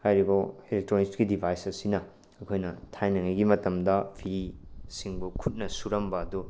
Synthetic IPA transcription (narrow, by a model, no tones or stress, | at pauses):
hajɾibɐelek̚tɾonikskidibʱajsɐsinɐ | ɐkʰojnɐtʰajnɐŋɐjɡimɐtɐmdɐpʰiɾisiŋbukʰut̚nɐsuɾɐmbɐːdu